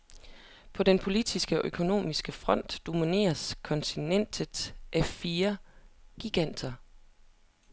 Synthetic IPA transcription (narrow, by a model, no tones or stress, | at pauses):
pʰɒ̽d̥enpʰo̝lid̥isɡ̥əɒ̽ʔøkʰo̝no̝̰ːmisɡ̥əfʁɒ̽n̰d̥d̥o̝mine̝̰ːɐskʰɒ̽nt͡sʰinen̰d̥̩ˠʔæfiːɐɡ̥iɡ̥æn̰d̥ɐ